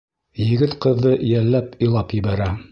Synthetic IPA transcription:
jɘ̆ɡɘt̪qɤ̆ðːɤʔjælːæpĭjlˠɑpjɘ̆bæɾæ

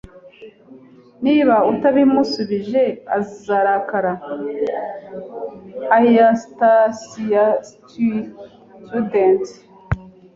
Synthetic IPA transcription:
niβautaβimusuβiʒe̞azizaɾakaɾa | ajastasiastu | tudent

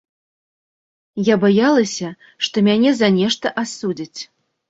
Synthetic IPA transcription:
jabajalˠɐsʲɐ | ʂt̪ɔmʲanʲɛzanʲɛʂt̪ɐʔasud͡zʲit͡sʲ

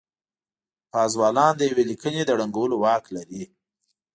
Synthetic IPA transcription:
pɑzwɑlɑnd̪əjawelikəned̪əɽaŋɡawəlowɑklaɾi

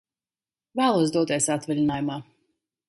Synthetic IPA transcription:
væːlˠuɔs̬d̪uɔt̪iɛsat̪vɛlʲinaːjumaː

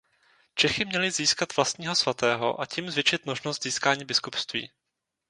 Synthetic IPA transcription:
t͡ʃɛxɪmɲɛlɪziːskat̪vlast̪ɲiːɦo̞svat̪ɛːɦo̞̰ʔaciːmzvɪt͡ʃɪt̪mo̞ʒnost̪z̥iːskaːɲiːbɪskupst̪vḭː

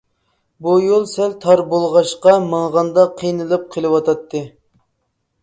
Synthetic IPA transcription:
bujolˠsɛlt̪ʰɑɾbolˠʁɑʃqɑmɨɴʁɑnd̪ɑqʰijnɨlˠɨp̚qʰəlˠɨwɑt̪ʰɑt̪ʰːɨ

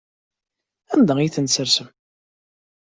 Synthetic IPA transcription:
ænd̪æiθənsəɾsəm

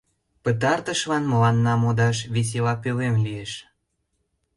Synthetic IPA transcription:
pət̪̬ɑrt̪əʃlɑnməlɑnːɑmod̪ɑʃβes̬elɑpølemlieʃ

